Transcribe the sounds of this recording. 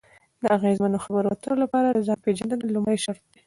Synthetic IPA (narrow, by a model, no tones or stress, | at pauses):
d̪əaɣezmanoxabəɾwat̪əlolapɑɾad̪əzɑpeʒand̪ənalʊmɽajʃaɾt̪̚d̪e